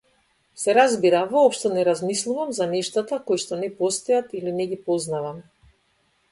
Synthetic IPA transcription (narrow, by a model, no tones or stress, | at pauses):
sɛɾazbiɾavɔːpʃt̪ɔnɛɾazmislˠuvamzanɛʃt̪at̪akojʃt̪ɔnɛpɔst̪ɔjat̪ilinɛɡipɔznavam